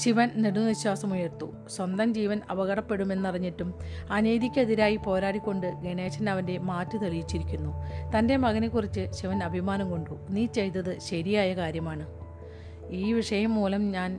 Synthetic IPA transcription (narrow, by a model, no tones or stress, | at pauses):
ɕiʋɐnniɽunɐʋiɕwaːsɐmujɐrt̪ːu | swɐnd̪ɐmd͡ʑiːʋɐnɐʋɐɣɐɽɐpːe̞ɽume̞nːiriɲːitːumɐneːðikʲːɐðiɾaːjipo̞ːɾaːɽikʲːo̞ɳɖɨɡeɳeːɕɐnɐʋɐnde̞maːtːɨt̪elijit͡ɕːiɾikʲːunːut̪ɐnde̞mɐɣɐnekːurit͡ɕːɨɕiʋɐnɐbʱimaːnɐmko̞ɳɖuniːt͡ɕe̞jt̪ːɐðɨɕɐɾijaːjɐkaːɾjɐmaːɳɨ | iːʋiʂɐjɐmːuːlɐmɲaːn